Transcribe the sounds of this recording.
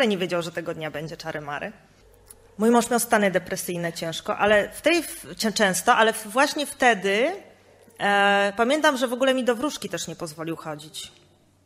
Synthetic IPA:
lɛɲɛvʲjed͡ʑawʐɛt̪ɛɡɔd̪ɲabɛɲd͡ʑɛt͡ʂaɾʔɨmaɾʔɘ | mujmɔ̃ʂmʲawst̪aɲɛd̪ɛpɾɛsɘjnɛt͡ɕɛ̃w̃ʂkɔʔalɛft̪ɛjɛt͡ʂɛ̃w̃st̪ɔʔalɛfvwaɕɲɛft̪ɛd̪ɘ | pamʲjɛnt̪amʐɛvɔɡulɛmʲid̪ɔvɾuʂkʲit̪ɛʂɲɛpɔzvɔlʲiwxɔd͡ʑit͡ɕ

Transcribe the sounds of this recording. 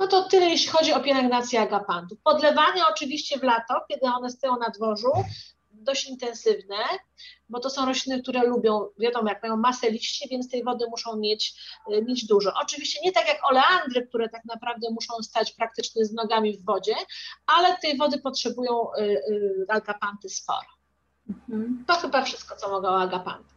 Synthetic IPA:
nɔt̪ɔt̪ɘlɛjeɕlʲixɔd͡ʑiɔpʲjɛlɛŋɡnat̪sʲjiaɡapant̪ufpɔd̪lɛvaɲaɔt͡ʂɘvʲiɕt͡ɕɛvlat̪ɔkʲɛd̪ɘɔnɛst̪ajɔ̃w̃nad̪vɔʐu | d̪ɔɕt͡ɕint̪ɛ̃nsɘvnɛ | bɔt̪ɔsɔ̃w̃ɾɔɕlʲinɘk̚t̪uɾɛlubʲjɔ̃w̃vʲjad̪ɔmɔjak̚majɔ̃w̃masɛlʲiɕt͡ɕivʲjɛnst̪ɛjvɔd̪ɘmuʂɔ̃w̃mʲjet͡ɕmʲjed͡ʑd̪uʐɔʔɔt͡ʂɘvʲiɕt͡ɕɛɲɛt̪akʲjakɔlɛand̪ɾɘk̚t̪uɾɛt̪akn̪apɾavd̪ɛmuʂɔ̃w̃st̪at͡ɕpɾak̚t̪ɘt͡ʂɲɛznɔɡamʲivːɔd͡ʑɛalɛt̪ɛjvɔd̪ɘpɔtʂɛbujɔ̃w̃ | aɡapant̪ɘspɔ̰ɾɔ | m̩t̪ɔxɘbafʂɘst̪kɔt̪sɔmɔɡɛɔaɡapa̰nt̪ɛ̥

